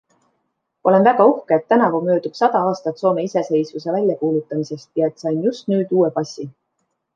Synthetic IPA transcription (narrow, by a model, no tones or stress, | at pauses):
ʔo̞le̞nvæɡ̥ɑuhkeːt̪ːænɑvumø̞ːd̪̥ub̥sɑd̪̥ɑɑːst̪ɑt̪soːme̞ise̞se̞jsvuse̞vælʲjɑkuːlut̪ːˑɑmise̞st̪jɑe̞t̪ːˑsɑjnjust̪nyːd̪̥uːe̞pɑsʲi